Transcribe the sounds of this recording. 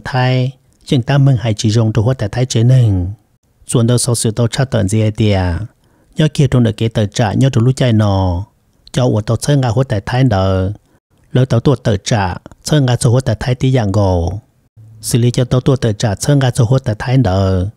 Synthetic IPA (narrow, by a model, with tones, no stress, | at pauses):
t̪ʰa˧˥˨j | zɨ˧˥˨ŋt̪a˦˥mɨ˧˨ŋha˨˧˨jt͡ʃi˧˨zo˧˨ŋto˧ɦo˧˥˦t̪a˨t̪ʰa˧˥jt͡ʃe˧˦nɨ˧˨ŋ | t͡su˧˨əndə˧wsɔ˧sɨ˨˧˨t̪ə˧wt͡ʃʰa˧˩wt̪ə̰˧˨nzi˧ɛ˧t̪i˧ə˨ | ɲɔ˧˥ki˧˨to˧ŋdə˧˨ke˨˧˦t̪ə˧˨t͡ʃa̰˧˨ʔɲɔ˦˥tu˧˨lu˧˦˨ca˧jnɔ˧ | cɔ˧ʔu˧˨ət̪ə˧wt͡sʰə˧˦ŋɡaː˧ho˧˥˦t̪a˨t̪ʰa˧˥jnɗə˧w | lə˧wt̪ə˧wt̪u˧ə˨t̪ə˧˨t͡ʃa̰˧˨ʔt͡sʰə˧˦ŋɡa˧t͡so˧ho˧˥˦t̪a˨jt̪ʰa˧˥˦jt̪i˧˦ja˧˨ŋɡo˧˨w | sɨ˧˨li˧˦cɔ˧t̪ə˧wt̪u˧ət̪ə˧˨t͡ʃa˧˨ʔt͡sʰə˧˦˨ŋɡa˧t͡so˧ho˧˥˦t̪a˨jt̪ʰa˧˦jnɗə˨˧w